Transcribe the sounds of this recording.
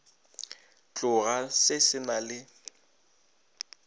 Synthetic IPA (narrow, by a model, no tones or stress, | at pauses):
t͡ɬʼʊɣasɪsɪnalɪ